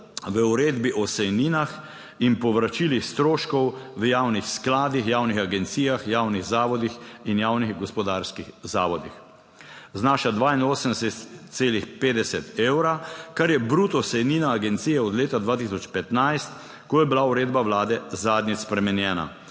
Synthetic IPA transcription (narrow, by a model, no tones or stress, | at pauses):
ʋəuɾeːd̪biʔɔsɛjniːnax | inpɔʋɾat͡ʃilixst̪ɾoːʃkɔwʋəjaːwnixsklaːd̪ixjaːwnixaɡɛnt̪siːjaxjaːwniɣzaːʋɔd̪ixinjaːwniɣɡɔspɔd̪aːɾskixzaːʋɔd̪ix | znaːʃad̪ʋaːinoːsənd̪ɛsɛt̪seːlixpeːd̪ɛsɛt̪ewɾakaɾjɛbɾuːt̪ɔsɛjniːnaːɡɛnt̪sijɛɔd̪leːt̪ad̪ʋaːt̪isɔt͡ʃpɛt̪najst̪ | kɔjɛbilauɾeːd̪baʋlaːd̪ɛzaːd̪nʲispɾɛmɛnjɛːna̰